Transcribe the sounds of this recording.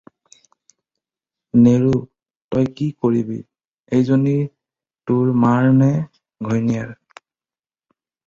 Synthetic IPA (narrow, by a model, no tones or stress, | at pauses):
neɹu | tɔjkikoɹibḭ | ejzoniɹ | tʊɹmaɹnɛ | ɡʱɔjnijaɹ